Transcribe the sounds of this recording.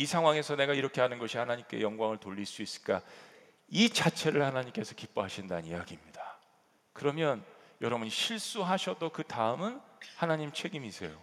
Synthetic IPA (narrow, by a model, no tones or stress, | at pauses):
isʰaŋwaŋe̞sʰʌne̞ɡaiɾʌkʰe̞ɦanɯnɡʌɕʰihanaɲimk͈e̞̰jʌŋɡwaŋɯɭtoʎːiɭs͈uis͈ɯ̥ɭk͈a | it͡ɕat͡ɕʰe̞ɾɯɭhanaɲimk͈e̞sʰʌkip͈oɦaɕʰinda̰niaɡimɲida | kɯɾʌmjʌn | jʌɾʌbuɲiɕʰiɭs͈uɦaɕʰʌdokɯtaɯmɯnhanaɲimt͡ɕʰwe̞ɡimiis͈ḛjo̰